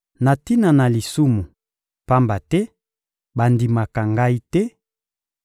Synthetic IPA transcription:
na˨ti˦na˨na˨li˨su˦mu˨ | pa˦mba˨tɛ˦ | ba˨ndi˨ma˨ka˨ŋɡa˦i˦tɛ˦

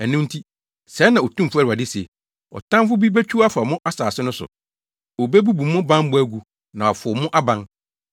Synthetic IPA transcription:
æ˨nũ˦mn̩˦tʰi˦ | sɛ˨˦nã˨ɔ˨tʰũ˦m̩˨fu˦æ˦˨ɾa˨dɪ˦se˨ | ɔ̰˨tʰã˦mfʊ˦bi˦be˦t͡ɕʰᶣu˦a˦fa˨mʊ̃˦ʔa˦saː˨sɪ˦nʊ̃˦sʊ̰˨ | ɔ˨be˦bu˦bũ˨mʊ̃˦bã˦m˦bʊ˦æ˦ɡu˨ | nã˨ɔ˨fʊ˨mʊ̃˦ʔa˦bã˦ŋ

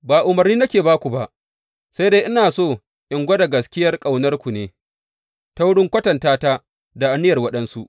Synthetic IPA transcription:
baː˨ʔʊ˨mɐ˨rniː˦nɐ˦kʲeː˨baː˦kʷu˨ba˨ʔ | sa˦jdeː˦ʔɪ˦naː˨soː˦˨ | ʔɪ˨ŋɡʷɐ˦da˨ɡɐ˨skʲɪ˦jɐ˦rkʼa˨wnɐ˦rkʷu˨neː˨˦ | ta˦wɽɪ˦ŋkʷɐ˦tɐ˨ntaː˦ta˦ | da˨ʔa˨nːɪ˦jɐ˨rwɐ˦ɗɐ˦nsu˦ʔ

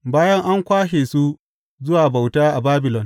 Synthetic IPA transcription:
baː˦jɐ˦ŋʔa˦ŋkʷaː˦ʃeː˨su˦ | zʊ˦waː˨ba˨wtaː˦ʔa˨baː˦bɪ˨lɔ˨n

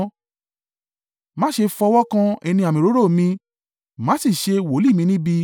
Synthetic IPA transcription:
mã˦ʃe˧fɔ˧wɔ˦kã˧ɛ˧nĩ˧a˨mĩ˨ɾo˨˦ɾo˦˨mĩ˧ | mã˨˦si˦˨ʃe˧wo˨˦li˦˨mĩ˨˧nĩ˦bi˧

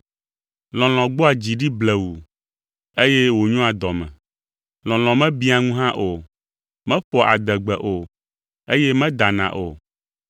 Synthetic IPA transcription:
lɔ̃˨l̃ɔ̃˨ɡ͡bo˦a˨d͡ʑi˨ɖi˦blɛ˨wu˨ | e˦je˦wo˨ɲũ˦a˨d̪ɔ˨mɛ̰̃˨ | lɔ̃˨lɔ̃˨mɛ̃˦bi˦a˨ŋũ˦ɦã˦ʔo˨ | mɛ̃˦ɸɔ˨a̰˨d̪ɛ˨ɡ͡bɛ˨ʔo˨ | e˦jɛ˦mɛ̃˦d̪a˨nã̰˨ʔo̰˨

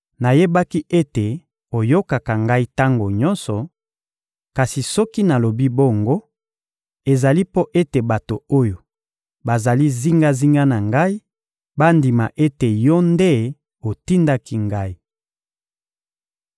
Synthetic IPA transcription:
na˨je˦ba˦ki˦ʔe˦te˨ | o˨jo˦ka˨ka˨ŋɡa˦i˦ta˦ŋɡo˨ɲɔ˦nsɔ˨ | ka˨si˨sɔ˦ki˦na˨lo˨bi˦bo˦ŋɡo˦ | e˨za˨li˦po˦ʔe˦te˨ba˨to˨o˦jo˨ | ba˨za˨li˦zi˦ŋɡa˦zi˦ŋɡa˦na˨ŋɡa˦i˦ | ba˦ndi˨ma˨ʔe˦te˨jɔ˦nde˦ | o˨ti˦nda˦ki˦ŋɡa˦i˦

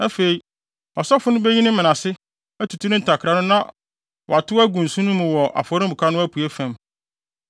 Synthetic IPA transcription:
æ˦fe˨i˨ | ɔ˨sɔ˦fʊ˦nʊ̃˦be˦ɲĩ˦nɪ̃˦mɪ̃˨nã˨sɪ˦ | æ˦tʰu˨tʰu˦nʊ̃˦n̩˨tʰa˨kʰɾa˨nʊ̃˦nã˦ | wʔɔ˨a˨tʰʊ˦æ˦ɡũ˨n̩˨sũ˦nʊ̃˦mʊ̃˨wɔ˨ʔa̰˨fɔ˨ɾɪ˦bu˨kʰa˦nʊ̃˦æ˦pʰu˨e˦fæ̃˨m

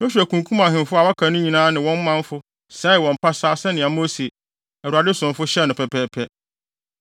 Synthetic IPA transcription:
nʊ̃˦ɕᶣæ˨kʰũ˨ŋ˨kʰũ˦mã˨ɦɪ̃˨mfʊ˦a˨wa˦kʰã˨nʊ̃˦ɲĩ˨nãː˦nɪ̃˨wɔ̃˦m˦mã˦ɱ˦fʊ˦ | sɛ˦ɪ˨wɔ̃˨m̩˨pʰa˦saː˦sɛ˦nɪ̃˨a˨mõ˦si˨ | ɛ˨u˨a˨dɪ˦sʊ̃˨mfʊ˦ɕɛ˦˨nʊ̃˨pʰɛ˨pʰɛː˨˦pʰɛ˦

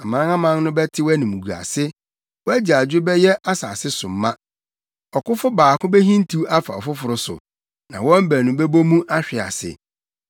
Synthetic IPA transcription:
a˨mã˨ã˦ã˦mã˦n˦nʊ̃˦bɛ˦tʰɪ˦wæ˦nĩ˨mũ˨ɡu˨a̰˨sɪ˦ | wɔ˦æ˦d͡ʑi˨a˨d͡ʑᶣɪ˦bɛ˦jɛ˦ʔa˦sa̰ː˨sɪ˦sʊ˨m̩˦mã˦ | ɔ˨kʊ˦fʊ˦baː˨kʰʊ̃˦bɛ˦ɦĩ˦n˦tʰu˦a˦fa˨ɔ̰˨fʊ˦fʊ˨ɾʊ˦sʊ̰˨ | nã̰˨wɔ̃˦m̩˦bæ˨nʊ̃˨bɛ˦bo˦mũ˦ʔa˦ɕᶣɪ˨a̰˨sɪ̰˨

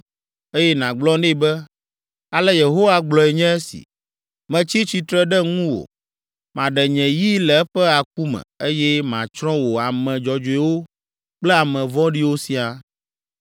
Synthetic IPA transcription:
e˦jɛ˦nã˨ɡ͡blɔ̃˦nɛ˦˨bɛ˦ | a˨lɛ˦je˨ɦo˦wa˦ɡ͡blɔ˨ɛ˨ɲɛ̃˦ɛ˦sḭ˨ | mɛ̃˨t͡ɕi˦t͡ɕi˦t̪ɾɛ˦ɖɛ˦ŋũ˦wo̰˨ | mã˨ɖɛ˨ɲɛ̃˨ji˦lɛ˨˦ɸɛ˦a˨k̚u˦mɛ̰̃˨e˦jɛ˦mã̰˨t͡ʃɾɔ̃˦wo˨a˨mɛ̃˨d͡ʒɔ˨d͡ʒo˨ɛ˨wo˦ | k͡plɛ˦a˨mɛ̃˨vɔ̃˦ɖi˦wo˦si˦a˨

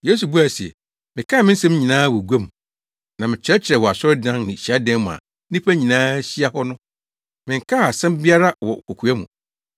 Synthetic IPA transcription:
je˦s̬u˨bu˦a˨si˨ɛ̰˨ | mɪ̃˨kʰa˦˨mɪ̃˦n̩˦sɛ̃˦m˦ɲĩ˨nãː˦wɔ˨ɡʷæ˦mũ˨ | nã˨mɪ̃˨t͡ɕʰɪ˦ɛ˦t͡ɕʰɪ˨ɾɛ˨wɔ˨a˨sɔ˦ɾdã˦nnɪ̃˨ɕa˦dɛ̃˦m˦m̃˨ã̰˨ | nĩ˦pʰæ˦ɲĩ˨nãː˦ɕi˦a˦hɔ˦nʊ̃˦ | mɪ̃˨ŋ˨kʰa˦a˨sɛ̃˦mbi˦a˦ɾa˦wɔ̰˨kɔ˨kʰu˨˦æ˦mṵ̃˨

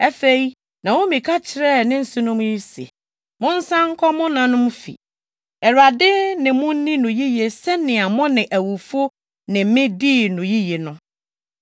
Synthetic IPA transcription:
æ˦fe˨i˦ | nã˨wʊ̃˦mĩ˨kʰa˦t͡ɕʰɪ˨ɾɛ˦˨nɪ̃˦n̩˨sʊ˦nʊ̃˦m˦ji˦sḛ˨ | mʊ̃˦n̩˦sã˦ŋ̩˦kʰɔ˦mʊ̃˦nã˨nʊ̃˦m˦fḭ˨ | ɛ˨ɾa˨dɪ˦nɪ̃˨mʊ̃˦n˦nɪ̃˦nʊ̃˨ji˦je˨sɛ˦nɪ̃˨a˨mʊ̃˦nɪ̃˨ʔæ˨wu˨fo˦ | nɪ̃˨˦mɪ̃˦diː˦˨nʊ̃˨ji˦je˨nʊ̃˦

